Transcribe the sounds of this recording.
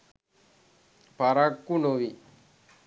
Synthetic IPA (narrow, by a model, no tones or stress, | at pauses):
paɾakːunoʋi